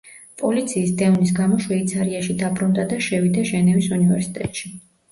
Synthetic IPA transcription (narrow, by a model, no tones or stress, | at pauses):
pʼɔlit̪sʰiːsd̪ɛɔnis̬ɡamɔʃwɛit̪sʰaɾiaʃid̪abɾund̪ad̪aʃɛvid̪aʒɛnɛvisunivɛɾsi̥t̪ʼɛ̰t̪ʼʃi